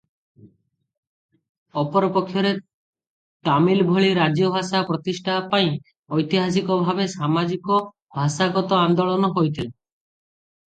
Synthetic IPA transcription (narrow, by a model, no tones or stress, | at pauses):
ɔpɔɾɔpɔkʰːjɔɾe | t̪amilbʱoɭiɾad͡ʒjɔbʱasapɾɔt̪isʈʰapaj̃ | ɔjt̪iɦas̬ikɔbʱabesamad͡ʒikɔ | bʱasaɡɔt̪ɔand̪ɔɭɔnɔɦojt̪ʰile